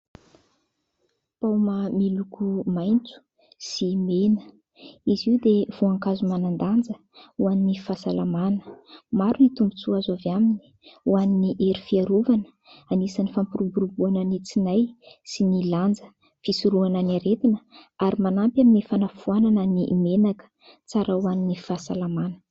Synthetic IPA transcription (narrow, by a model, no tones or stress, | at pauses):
pawmamilukumajnt͡su̥ | simenə̥ | iziud̪ev̥uaŋkazumanand̪and͡zə | uaninifasalamanə̥maɾunit̪umbut͡suazavamini̥ | waniniʔeɾifiaɾuvanə̥ | anisanifampuɾubuɾubuananit͡sinajsiniland͡zə | fisuɾuananaɾet̪inəaɾimanampjaminifanafuananənimenakə̥ | t͡saɾawaninifasalamanə̥